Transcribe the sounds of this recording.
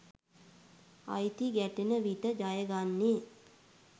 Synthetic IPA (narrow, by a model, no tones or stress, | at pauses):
a̰jt̪iɡæʈenəʋit̪əd͡ʒajəɡanːe